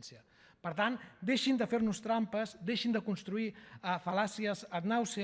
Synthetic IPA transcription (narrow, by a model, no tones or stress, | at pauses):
nsiə | pəɾt̪and̪eʃind̪əfeɾnust̪ɾampəzd̪eʃind̪əkunst̪ɾuiəfəlasiəzət̪nawse